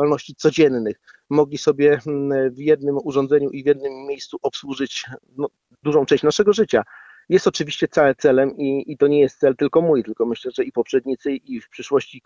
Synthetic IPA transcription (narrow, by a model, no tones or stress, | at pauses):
alnɔɕt͡ɕit̪sɔd͡ʑɛnnɘx | mɔɡlʲisɔbʲjɛvjɛd̪̚nɘmuʐɔnzɛɲuʔivʲjɛd̪̚nɘmːjejst̪suʔɔpswuʐɘt͡ɕ | nɔ | d̪uʐɔ̃w̃t͡ʂɛ̃ɕt͡ɕnaʂɛɡɔʐɘt͡ɕa | jɛst̪ɔt͡ʂɘvʲiɕt͡ɕɛt̪sawɛt̪sɛlɛmiːt̪ɔɲɛjɛst̪sɛlt̪ɘlkɔmujt̪ɘlkɔmɘɕlɛʐɛipɔpʂɛd̪ɲit̪sɘifpʂɘʂwɔɕt͡ɕi